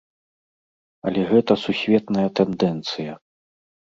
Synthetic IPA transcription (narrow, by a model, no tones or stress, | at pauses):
ɐ̰lʲɛɣɛt̪ɐsusʲvʲɛt̪nɐjɐt̪ɛnd̪ɛnt̪sɨjɐ